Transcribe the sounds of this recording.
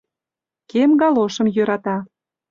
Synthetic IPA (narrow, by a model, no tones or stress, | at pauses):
kemɡɑloʃə̆mjøɾɑt̪ɑ